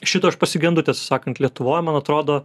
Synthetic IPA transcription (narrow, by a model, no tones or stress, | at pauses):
ʃʲɪt̪ɐɐʃpɐsʲɪɡʲɛnd̪ʊt̪ʲɛɐt̪sʲɪ̥sɑːkɐnt̪lʲiɛt̪ʊʋoːjmɐnɐt̪ɾoːd̪oː